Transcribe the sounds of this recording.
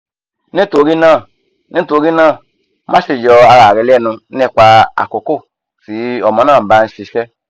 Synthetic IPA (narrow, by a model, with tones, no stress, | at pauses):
ne˦to˨˧˨ɾi˦nãː˦˨ | nĩ˦to˧˦ɾi˦nãː˦˨˦ | ma˦ʃi˧˨d͡ʒɔ˧a˧ɾa˨ɾɛ˨˧lɛ˦˨nũ˧˦ɛ˦˧˨kʷa˧a̰˨ko˨ko˦˨ | fi˨˦ɔ˨mɔ̃˨nãː˦˨ba˧n̩˧˦ʃi˨˧ʃɛ˦